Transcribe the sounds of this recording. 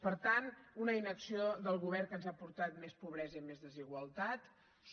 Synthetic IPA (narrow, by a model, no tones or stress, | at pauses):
pəɾt̪anunəinəksioðəlˠɣuβɛrkənzapuɾt̪at̪mespuβ̞ɾɛzəimezðəziɣwəlˠt̪at̪ | s